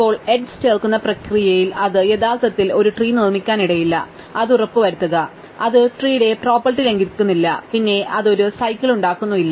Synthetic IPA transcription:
pːo̞ːɭe̞ɖsteːrkunːɐprɐkrijɐjilɐðɨe̞ðaːlt̪ɐt̪ːilo̞ɾuʈriːnirmikʲːaːniɽɐjilːɐ̰ | ɐðurɐpːɨʋɐɾut̪ːuɣɐ | ɐðɨʈriːɽe̞pro̞ːpːɐrʈile̞ŋɡikʲːunːilːɐpinːe̞ʔɐðo̞ɾusɐjkːiɭuɳɖaːkːunːuʋilːɐ

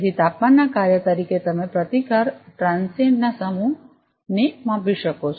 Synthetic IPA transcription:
d̪ʱit̪apmanːakaɾjət̪əɾiket̪əmẽpɾət̪ikəɾʈɾãnsennasəmu | nemãbiʃəkot͡ʃʰ

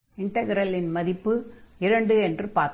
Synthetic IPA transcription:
ɪɳʈɐɣɐɾɐlɪnmɐðɪpːɯɪɾɐɳɖɯɛndrɯpaːɾ

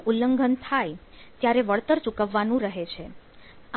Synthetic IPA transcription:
ulːəŋɡʱənt̪ʰaj | t̪jaɾeʋəɭt̪əɾt͡ʃukəʋːanũɾəɦet͡ʃʰe | a

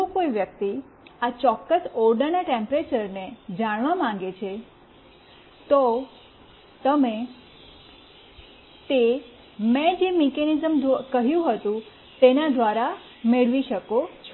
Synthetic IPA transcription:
okojʋjək̚t̪i | at͡ʃɔkːəsɔɾɖənaʈẽmpɾet͡ʃəɾned͡ʒaɽ̃ʋamãŋ̆ɡet͡ʃʰe | t̪o | t̪əme | t̪e | mɛ̃d͡ʒemekenizəmkəɦjũɦət̪ũ | t̪enad̪ʋaɾa | meɭʋiʃəkot͡ʃʰ

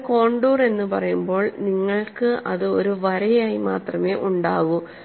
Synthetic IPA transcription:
ko̞ːɳɖuːre̞nːɨpɐrɐjumbo̞ːɭniŋːɐɭkɨʔɐðɨo̞ɾuʋɐɾɐjaːjima̰ːt̪rɐme̞ːʔuɳɖaːʋu

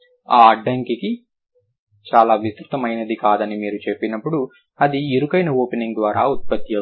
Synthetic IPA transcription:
aːɐɖːɐŋkiki | t͡ʃaːlaːʋist̪ɾut̪ɐmɐjnɐd̪ikaːd̪ɐnimiːɾut͡ʃepːinɐpːuɽu | ɐd̪ieɾukɐjnɐoːpeniŋɡd̪ʋaːɾa̰ːut̪̚pɐt̪jɐ

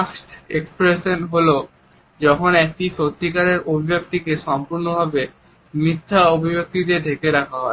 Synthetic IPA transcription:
aksʈekspɾeʃenɦolo | d͡ʑɔkʰonɛk̚ʈisot̪ːikaɾeɾobʱibʱjak̚t̪ikeʃɔmpuɾnobʱabe | mɾit̪ʰːaobʱibok̚t̪id̪edʱekeɾakʰaɦɔe

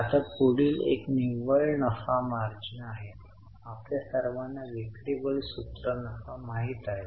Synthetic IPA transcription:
at̪apuɽiːlḛkniʋəɭnəfamaɾd͡ʑnaaɦe | apljasəɾʋanːaʋikɽibəɭsut̪ɾənəfamaɦiːt̪aɦe

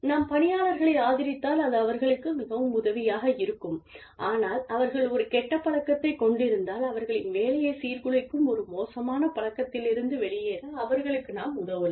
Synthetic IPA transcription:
naːmpɐɳɪjaːɭɐɾɣɐɭɐɪaːðɪɾɪt̪ːaːlɐðɯɐʋɐɾɣɐɭɯkːɯmɪɣɐʋɯmʊðɐʋɪjaːɣɐɪɾɯkːɯm | ʔaːnaːlɐʋɐɾɣɐɭɔɾɯkɛʈːɐpːɐɭɐkːɐt̪ːɐɪkːɔɳɖɪɾɯnd̪aːlɐʋɐɾɣɐɭɪnʋeːlɐjɐɪsiːɾkɯɭɐɪkːɯmɔɾɯmoːsɐmaːnɐpɐlɐkːɐt̪ːɪlɪɾɯnd̪ɯʋɛɭɪjeːɾɐɐʋɐɾɣɐɭɯkːɯnaːmʊðɐʋɯl

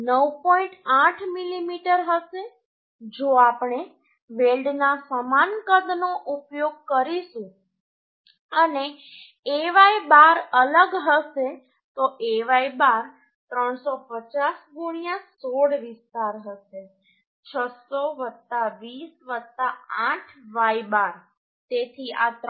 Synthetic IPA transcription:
nəwpɔĩɳʈaʈʰmilimiʈəɾɦəʃe | d͡ʒoapɳe | ʋelɖnasəmankəd̪noʔupjoɡ̚kəɾiʃũ | əne | eʋaibaɾələɡɦəʃe | t̪oʔeʋaibaɾ | t̪ɾəɳsopət͡ʃasɡuɽ̃jasoɽʋɪst̪aɾɦəʃe | t͡ʃʰəsoʋət̪ːaʋisʋət̪ːaãʈʰʋajbaɾ | t̪et̪ʰiat̪

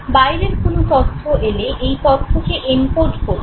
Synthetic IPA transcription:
bajɾeɾkonot̪ɔt̪ʰːoʔeleʔejt̪ɔɾt̪ʰːokeʔempoɾʈkoɾ

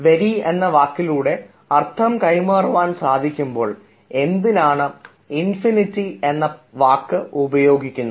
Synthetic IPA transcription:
ʋeɾienːɐʋaːkːiluːɽe̞ | ɐrt̪ʰɐmkɐjmaːruʋaːnsaːd̪ʱikʲːumbo̞ːɭ | e̞nd̪inaːɳɨ | infinitːie̞nːɐʋaːkːɨubɐjo̞ːɡikʲːunːu

